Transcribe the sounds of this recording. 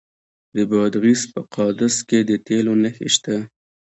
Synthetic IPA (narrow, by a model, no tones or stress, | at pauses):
d̪əbɑd̪ɣispəqʰɑd̪asked̪ət̪elonaxḛʃt̪a